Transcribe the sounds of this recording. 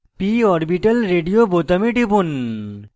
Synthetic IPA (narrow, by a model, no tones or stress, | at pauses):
piɔɾbiʈɐlɾeɖijobot̪ɐmiʈipun